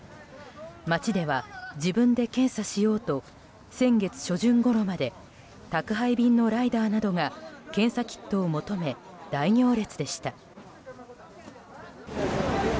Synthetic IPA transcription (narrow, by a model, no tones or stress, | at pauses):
mat͡ɕid̪e̞β̞ad͡ʑibɯ̟̃nd̪e̞kẽ̞ɰ̃saɕijo̞ːt̪o̞ | sẽ̞ŋɡe̞t͡sɨ̥ɕo̞ʑɨ̃ŋɡo̞ɾo̞mad̪e̞ | t̪akɯ̟ɦaibʲĩnːo̞ɾaid̪aːnad̪o̞ŋakẽ̞ɰ̃sakʲi̥t̪ːo̞ːmo̞t̪o̞me̞ | d̪̥aiɲʲo̞ːɾe̞t͡sɨd̪e̞ɕi̥t̪a